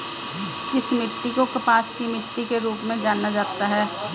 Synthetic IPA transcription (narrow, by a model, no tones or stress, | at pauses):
kɪsmɪt̪ːikokɐpaːskimɪt̪ːikeɾuːpmẽd͡ʒaːnːad͡ʒaːt̪aɦɛː